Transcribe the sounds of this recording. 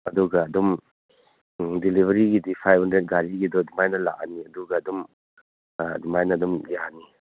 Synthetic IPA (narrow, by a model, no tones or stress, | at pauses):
ɐduɡɐɐdɔm | dilibɐɾiɡidipʰajbhandɾet̚ɡaɾiɡidɔdumajnɐla̰kaniɐduɡɐːdum | dumajnɐdumjani